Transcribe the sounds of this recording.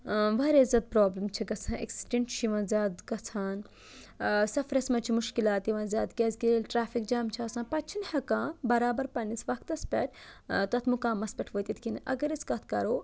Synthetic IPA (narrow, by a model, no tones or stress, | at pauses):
ʋɐɾeizɐt̪̚pɾoːblɐmt͡ʃʰiɡɐt͡sʰãːʔḛksi̥ʈeɳʈt͡ʃʰiʋãːnzʲjaːd̪kɐt͡sʰaːn | sɐfɾɐsmɐt͡ʃʰimuʃkilaːt̪iʋãːnzʲjaːd̪kʲeːzɡielʲʈɾaːfik̚d͡ʒaːmt͡ʃʰaːsãːpɐt͡ʃʰinhɐkãːbɐɾaːbɐɾpɐnisʋɐkʰt̪ɐspʲɛ̰ʈʰt̪ɐt̪ʰmukãːmɐspʲɛʈʰʋoːt̪ʲit̪ʰkinʔɐ̰ɡɐɾiskɐt̪ʰkɐɾoː